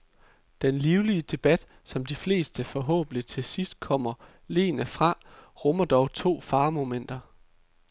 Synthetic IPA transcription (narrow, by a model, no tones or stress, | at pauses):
d̥enliːʊliəd̥e̝b̥æd̥ | sɒ̽md̥ifle̝̰ːsd̥əfɒ̽ɦɔ̰̽ːb̥n̩i̥t͡sʰe̝sisd̥̚kʰɒ̽m̰ɐ | le̝̰ːnəfʁɑ̈ʁɔmɐd̥ɒʊt͡sʰo̝̰ːfɑ̈ːmo̝men̰d̥ɐ